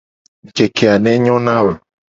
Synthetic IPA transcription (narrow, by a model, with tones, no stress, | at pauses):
d͡ʒe˨kʰe˨a˨nɛ̃˦ɲɔ̃˦nã˦we˨